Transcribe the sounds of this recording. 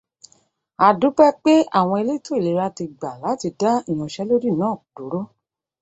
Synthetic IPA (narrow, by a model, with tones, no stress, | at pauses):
a˨du˨˦k͡pɛ˦k͡pe˦a̰˦˨w̃ɔ̃˧e˧le˦i˦to˦i˦˨le˨˧˦ɾa˦ti˧ɡ͡ba˨la˨˦ti˧da˦i˦˨j̃ɔ̃˨˧ʃɛ˦lo˦ɾi˦˨nãː˦˨d̥o˨˦ɾo˦